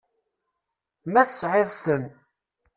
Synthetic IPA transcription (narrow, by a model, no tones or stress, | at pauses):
mæθəsʕɪðθən